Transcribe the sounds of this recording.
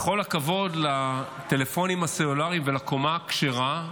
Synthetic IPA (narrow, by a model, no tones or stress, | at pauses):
χo̞lakavo̞dla | t̪e̞le̞fo̞nimaseolaʁimvelako̞makʃeʁa